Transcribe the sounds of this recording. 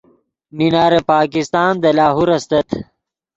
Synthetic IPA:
ninaːɾepaːkist̪aːnd̪ɐlaːɦuɾɐst̪ɐt̪ʰ

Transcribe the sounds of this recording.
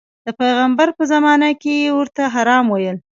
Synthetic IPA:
d̪̥əpajɣambaɾpəzamɑnakejewəɾt̪aɦaɾɑmwajəl

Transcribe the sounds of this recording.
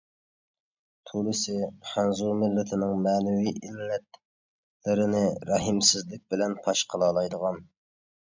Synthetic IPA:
t̪ʰulɨsɪχænzuɾmɪlːɪt̪ʰɪnɪŋmɛːnɛwiʔilːɛt̪ | lɪɾɪnɪɾɑɦɪmsɪzlɪk̚ʲbɪlɛnpʰɑʃqʰəlˠɑːlˠɑjd̪əʁɑn

